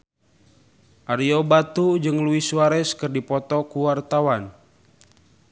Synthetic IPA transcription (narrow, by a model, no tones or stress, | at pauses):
ʔaɾiɔbat̪ud͡ʒɨŋluiswaɾɛskɨrdipɔt̪ɔkuwart̪awan